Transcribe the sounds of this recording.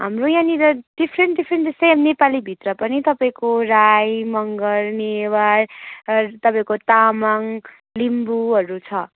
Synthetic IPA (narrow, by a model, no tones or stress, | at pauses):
ɦa̰mrojaniɾʌɖ̥ipʰɾeɳʈɖipʰɾeɳʈdesemnepalibʱit̪rʌpʌnit̪ʌpaĩkorajmʌŋɡʌrnewar | t̪ʌpaĩkot̪amaŋ | limbuɦʌɾut͡sʰʌ